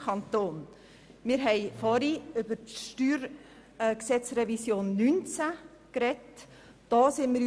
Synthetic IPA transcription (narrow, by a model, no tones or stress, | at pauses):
kʰɑnt̪oːn | mɪɾɦɛɪfɔɾiʏbəɾtʃtyːɾ | ksɛt͡srɛvisjoːnːynt͡sa | krɛt | d̥ɑːsɪnmɪɾ